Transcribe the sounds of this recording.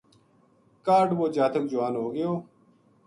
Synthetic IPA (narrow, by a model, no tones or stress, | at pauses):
kaːɾɖboːd͡ʑaːt̪ʰɐk̚d͡ʑuwaːnɦoːɡɐjoː